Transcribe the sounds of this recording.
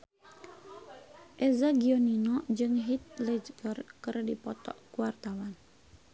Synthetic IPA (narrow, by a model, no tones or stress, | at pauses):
ʔɛzaɡiɔninɔd͡ʒɨŋɦit̪̚lɛd͡ʒɡərkɨrdipɔt̪ɔ̰ʔkuwart̪awan